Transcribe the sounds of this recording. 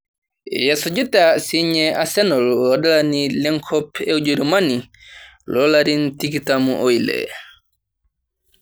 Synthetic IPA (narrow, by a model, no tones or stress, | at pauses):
jɛsɔd͡ʒutasiɲɛʔasɛnɔlwɔdalanilɛŋkʰɔpɛwd͡ʒuɾumani | lɔlaɾintikitamuʔɔjlɛ̰